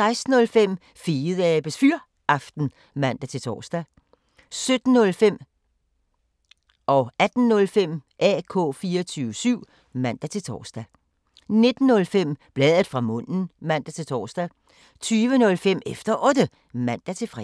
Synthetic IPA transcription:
sɑ̈ɪsd̥n̩ɔ̽lfem̰ | fiːð̩ˠɛæb̥esfyɐ | ɑ̈fd̥n̩ | mæn̰d̥æt͡sʰe̝lt͡sʰɒ̰ːsd̥æ | sød̥n̩ːɔ̽lfem̰ | ʔɒ̽æd̥n̩ːɔ̽lfem̰ʔɛ̰ːkʰɔ̰̽ːfiːɒt͡sʰyːʊʋəsyʊ̰ | mæn̰d̥æt͡sʰe̝lt͡sʰɒ̰ːsd̥æ | ne̝d̥n̩ːɔ̽lfem̰b̥lɛːðˠð̩ˠfʁɑ̈mɔ̽n̰n̩mæn̰d̥æt͡sʰe̝lt͡sʰɒːsd̥æ | t͡sʰyːʋənɔ̽lfem̰efd̥ɐʔɔ̽d̥ə | mæn̰d̥æt͡sʰe̝lfʁɛ

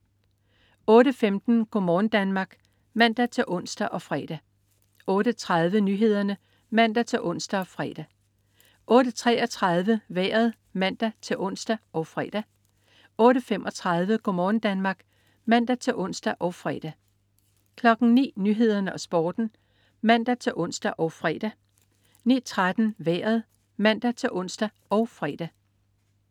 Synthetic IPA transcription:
ɔ̽ːɾəfemd̥n̩ɡ̥omɒːnd̥ænmɑ̈ːɡ̥ | mæn̰d̥æt͡sʰe̝ʔɔ̽n̰sd̥æʔɒ̽fʁɛ̰ːd̥æ | ɔ̽ːɾ̥ət͡sʰʁɑð̞ˠʋənyːɦe̝ð̞̰ˠɐnə | mæn̰d̥æt͡sʰe̝ʔɔ̽n̰sd̥æɒ̽fʁɛ̰ːd̥æ | ʔɔ̽ːɾ̥ət͡sʰʁɛ̰ːɒ̽t͡sʰʁɑðˠʋəʋḛːɐð̩ˠ | mæn̰d̥æt͡sʰe̝ʔɔ̽n̰sd̥æʔɒ̽ʊfʁɛd̥æ | ɔ̽ːɾəfem̰ʔɒ̽t͡sʰʁɑ̈ð̞ˠʋəɡ̥omɒːn̩d̥ænmɑ̈ːɡ̥ | mæn̰d̥æt͡sʰe̝ʔɔ̽n̰sd̥æʔɒ̽ʊfʁɛːd̥æ | kʰlɒ̽ɡ̥n̩nḭːnyɦe̝ð̞̰ˠɐnəɒ̽sb̥ɒːd̥n̩ | mæn̰d̥æt͡sʰe̝ʔɔ̽n̰sd̥æʔɒʊfʁɛ̰d̥æ | niːt͡sʰʁad̥n̩ʋḛːɐð̩ˠ | mæn̰d̥æt͡sʰe̝ʔɔ̽n̰sd̥æ | ɒ̽ʊfʁɛ̰ːd̥æ

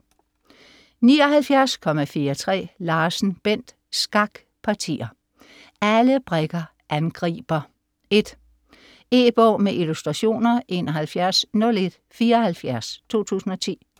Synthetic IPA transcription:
niːɒ̽ɦælfjæɐskʰɒ̽mæfiːɐt͡sʰʁɛ̰ːlɑ̈ːsn̩b̥en̰d̥ | sɡ̥ɑ̈ɡ̥ | pʰɑ̈t͡sʰḭːɐ | æləb̥ʁɛɡ̥ɐ | ʔænɡ̥ʁḭːb̥ɐ | e̝d̥ | e̝b̥ɒ̰ːmeʔilusd̥ʁɑ̈ɕo̝̰ːnɐʔe̝̰ːnɒɦælfjæɐsnɔ̽le̝d̥ | fiːɐhælfjæɐst͡sʰo̝̰ːt͡sʰṵːsn̩ɒ̽t͡sʰḭː

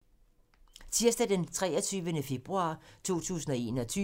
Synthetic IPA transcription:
t͡sʰiɐsd̥əd̥ent͡sʰʁɛɒ̽t͡sʰyːʋənəfe̝b̥ʁuɑ̈ːt͡sʰo̝̰ːt͡sʰṵːsn̩ɒe̝̰ːnɒ̽t͡sʰyː

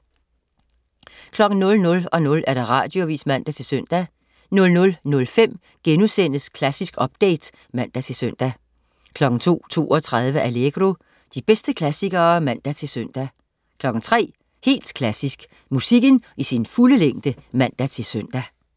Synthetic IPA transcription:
kʰlɒ̽ɡ̥n̩nɔ̽lnɔ̽lɒ̽nɔ̽lʔæɐd̥ɑ̈ʁɑ̈ːd̥jo̝ʋḭːsmæn̰d̥æt͡sʰe̝lsøn̰d̥æ | nɔ̽lnɔ̽lnɔ̽lfem̰ | ɡ̥enusen̰əskʰlæsisɡ̥ɒ̽b̥̚d̥ḛɪd̥ | mæn̰d̥æt͡sʰe̝lsøn̰d̥æ | kʰlɒ̽ɡ̥n̩t͡sʰo̝̰ːt͡sʰo̝̰ːɒ̽t͡sʰʁað̞ˠʋəʔæleɡ̥ʁo̝ | d̥ib̥esd̥əkʰlæsiɡ̥ɐːmæn̰d̥æt͡sʰe̝lsøn̰d̥æ | kʰlɒ̽ɡ̥n̩t͡sʰʁɛ̰ː | he̝̰ːld̥kʰlæsisɡ̥ | musiɡ̥ənisinfuləleŋ̰d̥əmæn̰d̥æt͡sʰe̝lsøn̰d̥æ

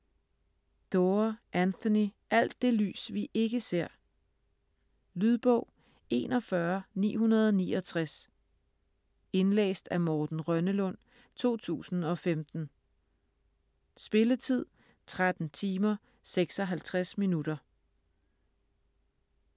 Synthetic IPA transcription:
d̥oɐʔænθoniʔæl̰d̥ːe̝ly̰ːsʋiʔe̝ɡ̥əse̝ɐ̰ | lyð̞ˠb̥ɔʊ̰ | e̝̰ːnɒ̽fɶɐnḭːɦunɐð̞ˠɒniːɒ̽t͡sʰʁas | e̝nlḛːsd̥æmɒːd̥n̩ʁɶnəlɔ̽n̰ | t͡sʰo̝̰ːt͡sʰṵːsn̩ɒ̽femd̥n̩ | sb̥e̝lət͡sʰið̰ˠ | t͡sʰʁad̥n̩t͡sʰiːmɐ | seɡ̥sɒ̽ɦælt͡sʰʁasminud̥ɐ

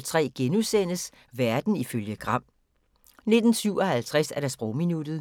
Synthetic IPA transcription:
lt͡sʰʁɛ̰ːɡ̥enusen̰əs | ʋæɐd̥n̩iføljəɡ̥ʁɑ̈m̰ | ne̝d̥n̩syʊɒ̽hælt͡sʰʁasæɐɾ̥æsb̥ʁɔʊminud̥ð̩ˠ

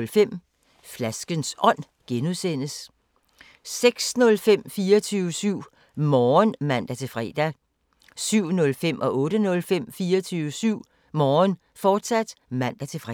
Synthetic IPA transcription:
lfem̰ | flæsɡ̥ənsɒ̽n̰ | ɡ̥enuðˠsen̰əs | seɡ̥snɔ̽lfem̰fiːɐt͡sʰyːʊəsyʊ̰ | mɒːnmæn̰d̥æt͡sʰe̝fʁɛ̰d̥æ | syʊ̰nɔ̽lfem̰ʔɒ̽ʔɔ̽ːɾ̥ənɔ̽lfem̰fiːɐt͡sʰyːʊəsyʊ̰ | mɒːn | fɒːd̥sæd̥mæn̰d̥æt͡sʰe̝fʁ

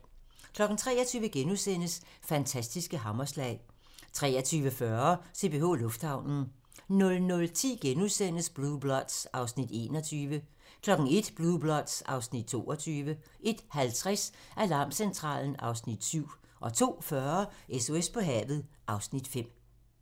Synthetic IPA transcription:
kʰlɒ̽ɡ̥n̩t͡sʰʁɛ̰ːɐt͡sʰyːʋəɡ̥enusen̰əs | fænt͡sʰæsd̥isɡ̥əɦɑ̈mɐslɛ̰ɪ | t͡sʰʁɛːɐt͡sʰyːʋəfɶɐse̝̰b̥e̝o̝̰ːlɔ̽fd̥hɑ̈ʊnn̩ | nɔ̽lnɔ̽lt͡sʰḭːɡ̥enusen̰əsb̥lub̥lɒ̽d̥sɑ̈ʊsnid̥e̝̰ːnɒ̽t͡sʰyːʋə | kʰlɒ̽ɡ̥n̩e̝d̥b̥luðˠb̥lɒ̽d̥sɑ̈ʊsnid̥̚t͡sʰo̝̰ːɒ̽t͡sʰyːʋə | ʔe̝d̥hælt͡sʰʁasʔælɑ̈ːmsent͡sʰʁɑ̰̈ːln̩ʔɑ̈ʊsnid̥syʊ̰ | ʔɒ̽t͡sʰo̝̰ːfɶɐeso̝espʰɒ̽ɦɛ̰ːʋð̞̩ˠ | ʔɑ̈ʊsnid̥fem̰

